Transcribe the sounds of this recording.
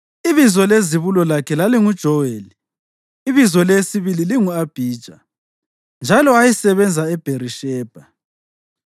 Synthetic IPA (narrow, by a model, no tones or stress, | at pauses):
iβizɔleziβulɔlakʰɛlaliŋud̥ʒ̥ʱɔweliː | βizɔlesiβililiŋuab̥ʱiːd̥ʒ̥ʱa | nd͡ʒʱalɔajisɛβɛnd͡zʱaɛb̥ʱeriʃɛːb̥ʱa